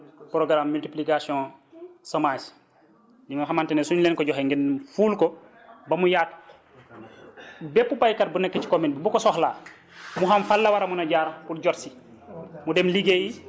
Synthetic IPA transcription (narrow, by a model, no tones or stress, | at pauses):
pɾɔɡɾamːultiplikasiɔ̃sɔmas | dimaɦamantɛnɛsuɲlɛnkɔɟɔɦɛŋɡɛnmfuːlkɔ | bɐmujaːt | bɛpːupajkat̚bunɛkːɛci̥kɔminbubukɔsɔxlaː | muɦamfalːɐwaɾɐmunɐɟaɾɐpuɾɟɔtsi | mudɛmliɡeji